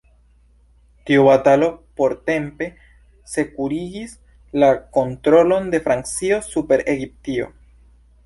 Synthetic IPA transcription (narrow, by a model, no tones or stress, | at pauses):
tiubatalo̞po̞ɾte̞mpe̞ | se̞kuɾiɡis | lako̞ntɾo̞lo̞nde̞fɾant͡sio̞supe̞ɾeɡip̚tio̞̰